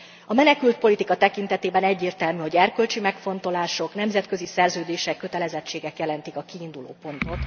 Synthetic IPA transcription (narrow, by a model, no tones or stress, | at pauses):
ɒmɛnɛkylt̪̚po̞lit̪ikɒt̪ɛkin̪t̪ɛt̪eːbɛnɛɟːeːrt̪ɛlmyho̞ɟɛrkølt͡ʃimɛkfo̞n̪t̪o̞laːʃo̞knɛmzɛt̪kø̞zisɛrzøːd̪eːʃɛkːø̞t̪ɛlɛzɛt͡ʃːeːɡɛkjɛlɛnt̪ikɒkiːnd̪ulo̰ːpo̞nt̪o̞t̪